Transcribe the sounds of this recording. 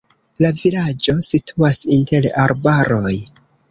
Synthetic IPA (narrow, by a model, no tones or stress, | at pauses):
lavilad͡ʒo̞sitʰuasinte̞laɾbaɾo̞j